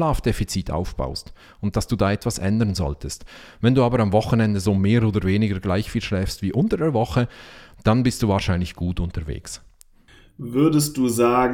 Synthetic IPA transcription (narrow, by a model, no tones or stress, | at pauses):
laːfd̥efit͡siːtʰa̰ʊfb̥a̰ʊst | ʊnt̚d̥asd̥uːdaːɛtv̥asʔɛ̰ndəʁnzɔ̰ltəst | vɛnduːaːbəɾamvɔχənɛndəzoːmeːɾoːdəveːnɪɡəɡlaɪçfiːlʃlɛːfstv̥iːʔʊntədeːɐvɔχəd̥anbɪstd̥uːvaːɐʃaɪnlɪçɡ̥uːtʊntəɾvḛːks | vʏɐdəst̚d̥uːzaːɡ